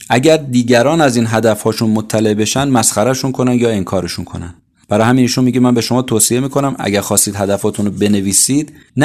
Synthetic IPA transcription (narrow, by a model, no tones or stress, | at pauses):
ʔæɟæɾd̪iːɟæɾɒːnæziːnɦæd̪æfhɒːʃunmot̪ʰːæleʔbe̞ʃænd̪mæsχæɾæʃunkʰo̞nænd̪jɒːeŋkʰɒːɾeʃunkʰo̰næ̰nd̪ | b̥æɾɒːhæminiːʃunmiːɟemænbe̞ʃo̞mɒːt̪ʰoːsije̞miːkʰo̞næmæ̰ɟæɾxɒːst̪iːd̪ɦæd̪æfhɒːt̪ʰunbe̞ne̞viːsiːd̪̥n